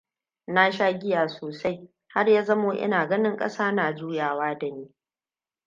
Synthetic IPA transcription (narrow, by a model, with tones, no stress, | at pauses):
na˦ʃaː˦ɡʲɪ˦jaː˨soː˨sa˦j | ha˦rjaː˦zɐ˦moː˦ʔɪ̰˦naː˨ɡɐ˦nɪ˦ŋkʼɐ̰˦saː˦naː˨d͡ʒuː˦jaː˨waː˦da˨niː˦